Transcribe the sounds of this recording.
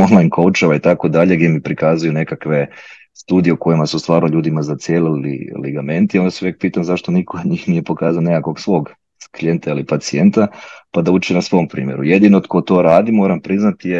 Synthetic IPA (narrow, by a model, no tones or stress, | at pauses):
onlajnkʰowut͡ʃaʋait̪ako̞d̪aʎe̞ɡd̪ʲemipɾikazujune̞kakʋe̞ | st̪uːd̪ijeuko̞jimasust̪ʋaːɾnoʎuːd̪imazat̪sijeːlilḭliɡame̞nt̪ijond̪asuʋek̚piːt̪amzaʃt̪onikʰood̪ɲiːxnije̞po̞kaːzaonikako̞ɡsʋo̞ːɡ | klije̞nt̪ailipat̪sie̞nt̪apad̪aut͡ʃinasʋo̞ːmpɾḭːmje̞ɾujed̪inood̪kʰot̪o̞ːɾaːd̪imo̞ːɾampɾiznat̪ije